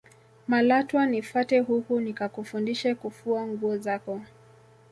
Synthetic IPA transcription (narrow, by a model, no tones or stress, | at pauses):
malatwanifatɛɦukunikakufundiʃɛkufuaŋɡuɔzakɔ